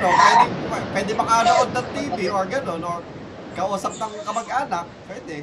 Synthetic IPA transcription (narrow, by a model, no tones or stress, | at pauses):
nopwɛːd̪ɪŋɛpwɛːd̪ɪmɐkaːnoʔod̪̚nɐŋt̪iːbioɹɡɐno̞nʔoɹ | kɐʔuːsɐp̚nɐŋkɐmɐɡʔaːnɐk̚pːwɛːd̪ɛ